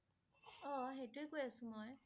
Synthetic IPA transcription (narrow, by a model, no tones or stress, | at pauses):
ɔxejtʊekojasʊ̃mɔj